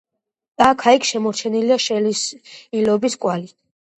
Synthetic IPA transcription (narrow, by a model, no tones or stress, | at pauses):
d̪ʼakʰaikʰʃɛmɔɾt͡ʃʰɛniliaʃɛlisilɔbiskʼwali